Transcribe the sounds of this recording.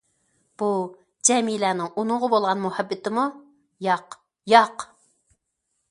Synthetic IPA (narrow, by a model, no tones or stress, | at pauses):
b̥u | d͡ʒɛmilænɪŋunʊʁʊbolˠʁɑnmuhæbːɪt̪ɪmu | jɑq | jɑq